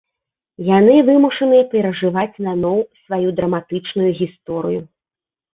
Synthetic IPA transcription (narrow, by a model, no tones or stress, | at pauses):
janɨvɨmuʂɐnɨjɐpʲɛɾɐʐɨvat͡sʲnanɔwsvajud̪ɾɐmat̪ɨt͡ʂnujuɣʲist̪ɔɾɨ̰ju